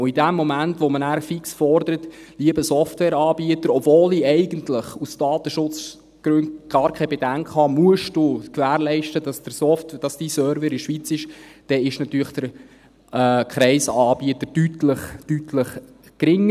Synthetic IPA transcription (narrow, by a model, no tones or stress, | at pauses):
ʊidæmːɔmæntʋomənæːɾfiksfɔrd̪əɾət | liəbəsɔftwɛːɾɑːbiətəɾɔbvoːliɛɪɡ̥əntləχusd̥ɑːt̪əʃʊt͡s | ɡ̥ɾøndɡ̥ɑːɾkʰɛɪbɛd̥æŋkχhɑmuəʃd̥ukʋæːɾlɛɪʃtədɑsd̥əɾsɔftd̥ɑsd̥iːsœːɾvɛɾɪʃʋit͡sɪʃd̥ɛɪʃnɑt̪yːɾəχd̥əɾ | kχɾɛɪsɑːb̥iət̪əɾd̥ytləχtytʰləχ | kɾɪŋːə